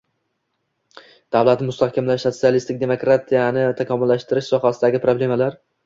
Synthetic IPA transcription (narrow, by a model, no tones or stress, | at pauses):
d̪̥avlat̪nɪmʊst̪ahkʲamlaʃso̞t̪sijalist̪ɪk̚ʲd̪e̞mo̞kɾat̪ʰijanɪt̪ʰakʲʰɒmʊlːaʃt̪ɪɾɪʃsɒɦasɪd̪aɡʲɪpʰɾoble̞malaɾ